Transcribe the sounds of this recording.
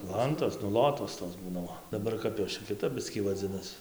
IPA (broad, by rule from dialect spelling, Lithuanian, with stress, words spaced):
ˈlˠɐntoːs nʊ ˈlˠoːtoːs toːs ˈbuːnɐ ˈoː dɐˈbɐr ˈkɐp joːs t͡ʃʲɛ kʲɪˈtɐp ˈbʲɪsʲkʲiː ʋɐˈd͡zʲɪnɐs